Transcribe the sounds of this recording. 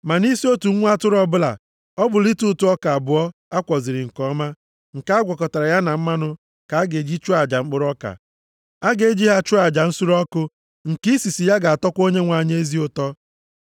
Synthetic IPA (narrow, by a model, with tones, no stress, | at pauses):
ma˨ni˦si˦o˦tu˨ŋ̩ʷ˦a˦tʊ˦ɾɔ˦bʊ˦la̰˨ | ɔ˦bʊ˨li˦tu˦tu˨˦ɔ˦ka˨a˨bʊ˨ɔ˦a˦kʷɔ˨zi˨ɾɪ˨ŋ̩˨kɔ˦ma˦ | ŋ̩˨ka˦a˦ɡʷɔ˨kɔ˨ta˨ɾa˨ja˦na˨m̩˦ma˦nʊ˦ | ka˨a˦ɡe˨d͡ʒi˦t͡ʃu˦a˨d͡ʒa˨ŋ͡m̩˦k͡pʊ˦ɾɔ˦ka̰˨ | a˦ɡe˨˦d͡ʒi˦ɦa˦t͡ʃu˦a˨d͡ʒa˨n̩˦su˦ɾɔ˦kʊ˦ | ŋ̩˨ki˦si˨si˨ja˦ɡa˨a˨tɔ˦kʷo˦ɲe˦ŋʷa˨ɲe˦e˦zi˦ʊ˦tɔ˦